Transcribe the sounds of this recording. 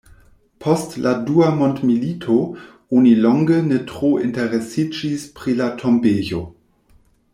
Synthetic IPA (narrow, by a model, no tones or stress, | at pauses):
pʰɔstladuamontmilitʰo | onilɔŋɡənetʁointeʁesid͡ʒispʁilatʰombeːjo